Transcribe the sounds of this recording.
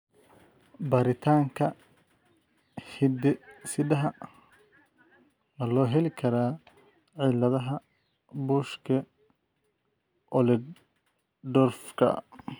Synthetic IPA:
bɐɾɪt̪ʰaːŋkʰɐ | hɪd̪ɛsɪdɐɦɐ | nɐlɔːɦɛlɪkʰɐɾaː | ʕɪlɐðɐɦɐ | buːʃkʰɐ | ʔɔlɛ | d̪ɔːrfkʰɐ̰

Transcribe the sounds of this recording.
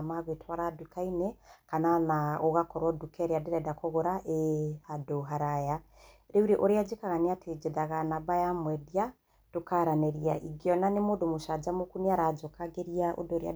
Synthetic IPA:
maβwetwaɾadukainɛkananaoɣakɔɾwɔdukɛɾeadeɾɛdakoɣoɾaʔeadoɦaɾaja | ɾeuɾeʔoɾead͡ʒekaɣaniatʰed͡ʒeðaɣanabajamwɛðia | tokaɾanɛɾiaʔiɡiɔnanemodomoʃad͡ʒamokumiaɾad͡ʒokaɡeɾiaʔo̰doɾea̰

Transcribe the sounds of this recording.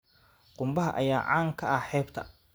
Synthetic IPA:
qʊmbɐɦɐ̰ʔɐjaːʕaːŋkʰɐɐħɛːbt̪ʰɐ

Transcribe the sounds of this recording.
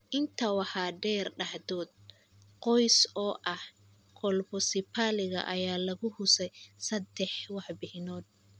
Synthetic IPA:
ʔɪnt̪ʰɐwɑħɑːɖɛːrɖɑħðɔːd̪̚ | qɔjsɔːʔɐh | kʰɔlbɔsɪpʰaːlɪɣɐ̰ʔɐjaːlɐɣʊhʊsɛjsɐd̪ɛħwɑħbɪhɪnɔːd̪̚

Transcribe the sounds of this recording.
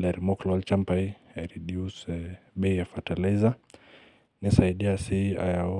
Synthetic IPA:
lɛɾimɔklɔalt͡ʃampajaɾiɗiusɛɓɛijafataliza | nisaiɗiasia̰ja

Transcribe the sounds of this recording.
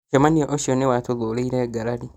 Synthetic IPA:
d͡ʒamanioʔoʃionewatoðoːleiɾeɡaɾaɾi

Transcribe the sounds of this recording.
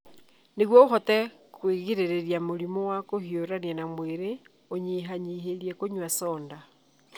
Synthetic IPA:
neɣwɔoɦɔtɛ | kweɣiɾeɾeɾjamoɾimowakohioɾanjanamweɾe | oɲiɦaɲiɦeɾjɛkoɲwasɔːnda

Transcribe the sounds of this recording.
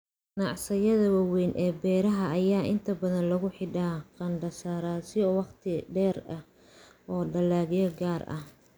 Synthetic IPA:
nɑʕsɐjɐðɐwɑwɛjnʔɛːbɛːɾɐɦɐːjaːʔɪnt̪ʰɐbɐðɐnlɐɣʊħɪɖaːqɐnɖɐsaːɾaːsɪɔwɑqt̪ʰɪɖɛːrɐh | ʔɔːɖɐlaːɣjɐɡaːrʔɐ̰h

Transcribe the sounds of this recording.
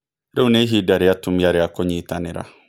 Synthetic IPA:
ɾɛunẽɦidaɾɪatʰʊ̃maɾɪakʰɔɲĩtʰanɪ̃ɾa̰

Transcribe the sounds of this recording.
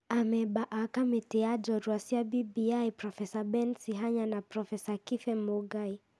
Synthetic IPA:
amɛɓaʔakamɛtiad͡ʒɔɾuasiabibiaipɾɔfɛsabɛnsiɦaɲanapɾɔfɛsakifɛmɔɡai

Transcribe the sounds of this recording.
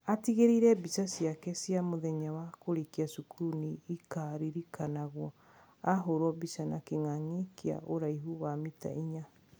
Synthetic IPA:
atiɣeɾiɾɛbisasjakɛsiamoðɛɲawakoɾekiasukuuniːkaɾiɾikanaɣwɔ | aɦoɾɔbisanakeŋaŋekea̰ʔoɾaiɦuwamita̰iɲa

